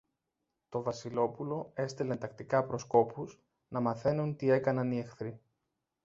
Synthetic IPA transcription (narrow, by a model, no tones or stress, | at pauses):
t̪o̞vɐsilo̞pulo̞e̞st̪ele̞nt̪ɐkt̪ikɐpɾo̞sko̞puz | nɐmɐθe̞nunt̪ie̞kɐnɐnie̞xθɾi